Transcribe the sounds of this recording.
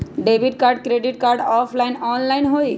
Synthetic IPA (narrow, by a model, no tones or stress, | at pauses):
ɖebiʈkaːɾɖ̚kɾeɖiʈ̚kaɾɖɔːpʰlaɪnɔːnlaɪnɦoːi